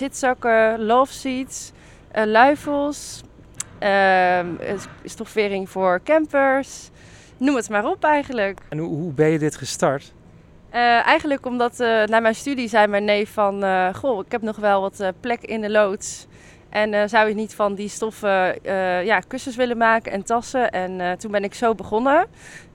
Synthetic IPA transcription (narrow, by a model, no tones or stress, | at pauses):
zɪtsɔkəlɔfsits | ʔəlœɥfəlˠs | ə | stɔfʋɪːɾɪŋv̥ʊːɹkɛmpəɹs | numətmaːrɔpɛjχənləknɦuɦubɛnjədɪtχəstɑɹt | əʔɛjχənləkɔmdɑtnaːmɛjnstydizɛjmɛnejfɑnəχoːɪkɦɛpnɔχʋɛlˠʋɑtəplɛkɪndəlowts | ʔɛnəzʌwɪknitfɑndistɔfəjaːkɵsəsʋɪlənmaːkəɛntɑsəʔɛntunbɛnɪksowbəχɔnə